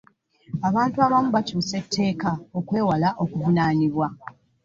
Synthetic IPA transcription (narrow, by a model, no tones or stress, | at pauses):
aβaːntuaβamuβacoːse̞tʰːe̞ːkao̞kwe̞ːwalaʔo̞kuvunaːniβwa